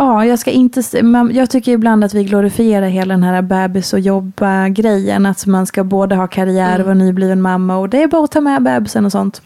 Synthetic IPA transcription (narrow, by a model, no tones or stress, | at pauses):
ɑːjɑːɡskaʔɪnt̪əsmamjɑːɡ̚t̪ʰʏkːəɾɪbland̪at̪vɪɡlʊɾɪfɪeːɾaɾɦeːlad̪ɛnɦæːɾabɛːbɪsɔjɔbːaɡɾɛjːə̰nat̪manskaboːd̪əɦɑːkʰaɾɪæːɾvanyːbliːvɛnmamːaɔd̪ɛæɾbɑːɔt̪ʰɑːmɛbɛːbɪsənɔsɔnt̪